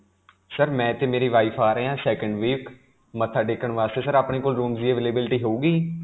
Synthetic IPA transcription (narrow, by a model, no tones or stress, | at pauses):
səɾmɛ̃ːt̪eːmeːɾiːʋaːipʰaːɾəeːãːsɛːkəɳɖʋiːk | mət̪ʰːaːɖeːkəɳʋaːst̪eːsəɾaːpɳeːkoːlɾuːmzieːʋeleːbɪlʈiːɦoːuːɡiː